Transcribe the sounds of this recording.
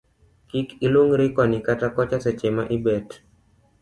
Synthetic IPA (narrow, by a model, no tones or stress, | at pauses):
kikiloŋɾɪkɔnikatakɔt͡ʃaset͡ʃemaʔibɛt